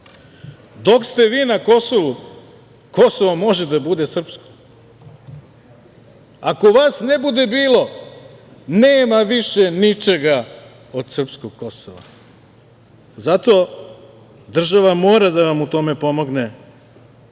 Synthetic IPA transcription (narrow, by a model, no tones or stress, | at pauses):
d̪o̞kst̪e̞ʋiːnako̞so̞ʋu | ko̞soʋomo̞ʒed̪abud̪e̞sr̩psko̥ | ako̞ʋaːsnebud̪e̞biːlo̞ | neːmaʋiʃenit͡ʃeɡa | od̪sr̩pskoɡ̚ko̞soʋa̰ | zat̪o̞ | d̪r̩ʒaʋamo̞ːɾad̪aʋamut̪o̞me̞po̞mo̞ɡne